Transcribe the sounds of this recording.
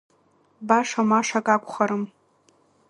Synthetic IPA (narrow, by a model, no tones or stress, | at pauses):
baʂamaʂakʼakʷʰʼχaɾɨm